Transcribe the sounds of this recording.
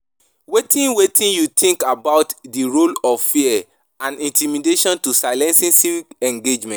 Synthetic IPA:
wetĩnwetʰĩnjut̪ʰĩŋkabaʊtdiɹolɔvfiɛ | ãnĩntimideʃɔ̃ntusaɪlɛ̃nsĩnsivikɛ̃ŋɡed͡ʒmɛ̃t

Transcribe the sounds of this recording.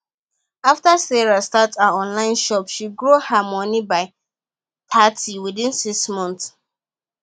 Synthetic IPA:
aftasɛɹastataɔ̃nlãɪ̃nʃɔpʃiɡɹuhamɔnibaɪ | tʰatʰiwidĩnsiksmɔ̃nt

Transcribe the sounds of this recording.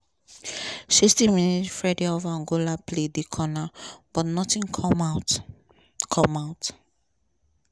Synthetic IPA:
sistĩminitfɹadeɔvaɔ̃ŋɡolapledikʰɔnab̥ɔtnɔtĩnkʰɔmat | kʰɔmaʊt

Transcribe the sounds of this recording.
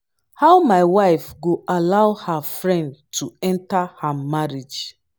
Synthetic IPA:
haʊmaɪwaɪfɡoʔalaʊhafɹɛ̃ndtʰuɛ̃ntahamaɹid͡ʒ

